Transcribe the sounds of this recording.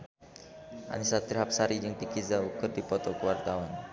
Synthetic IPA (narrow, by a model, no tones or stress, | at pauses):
ʔa̰nisat̪irɦap̚saɾid͡ʒəŋpikizaukərdipɔt̪ɔkəwart̪awan